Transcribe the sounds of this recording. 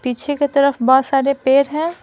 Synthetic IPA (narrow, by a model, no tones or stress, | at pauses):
piːt͡ʃʰeket̪ɐɾəfbɔːt̪saːɾepeːɾɦɛ̃ː